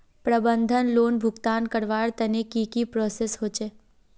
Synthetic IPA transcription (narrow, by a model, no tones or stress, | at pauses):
pɾəbənd̪ʱənloːnbʱʊɡt̪aːnkəɾʋaːɽt̪ənekiːkipɾosesɦoːt͡ʃeː